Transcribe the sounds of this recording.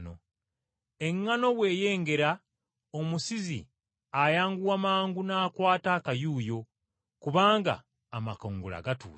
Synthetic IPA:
no̰ | eŋːano̞βwe̞ːje̞ːŋɡe̞ɾa | omusizḭ | ajaːŋɡuwamaːŋɡunaːkwaːtakajuːjo̞ | kuβaːŋɡa̰ː | makoːŋɡula̰ɡatṵː

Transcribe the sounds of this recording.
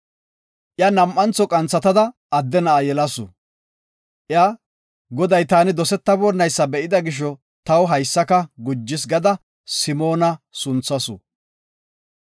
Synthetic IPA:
ʔjaːnɐmʔːɐnt͡sɔkʼɐnt͡sːɐt̪ɐd̪ɐʔɐd̪ːɛnɐʔajɛlɐsʊ̰ | ʔɪjaː | ɡɔd̪ɐjt̪aːnɪd̪ɔsɛt̪ːɐbɔnːɐjsːɐbɛʔɪd̪ɐɡɪʃ̬ɔ | t̪ɐwɦɐjsːɐkɐɡʊd͡ʒːɪs̬ɡɐd̪ɐ | sɪmoːnɐsʊnt͡sːɐsʊ̰

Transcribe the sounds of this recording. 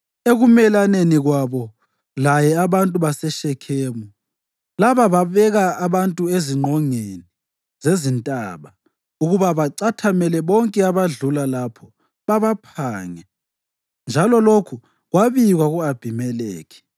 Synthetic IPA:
eɣumɛlaneniɣwaβɔ | lajɛaβantʼuβasɛʃɛkʰeːmu | laβaβaβɛɣaːβantʼueziŋ͡ǃʱɔŋeni | zezintʼa̰βa | uɣuβaβaǀatʰamɛlɛβɔŋkʼɛaβaɮulalapʰɔ | βaβapʰaːŋɛ | nd͡ʒʱalɔlokʰu | ɣwaβiɣwaɣuab̥ʱimɛlɛ̰ːɣɛ̥

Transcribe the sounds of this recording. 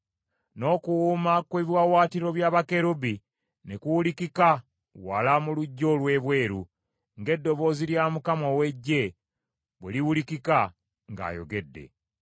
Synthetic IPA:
no̞ːkuwuːmakweβiwawaːtiɾo̞βjaːβake̞ɾubi | nekuwulikika | walamuluɟːo̞lwe̞ːβwe̞ːɾu | ŋɡe̞dːo̞βo̞ːziljamukamo̞we̞ɟːe̞ | βwḛliwulikika | ŋɡa̰ːjo̞̰ɡe̞dːe̞̰

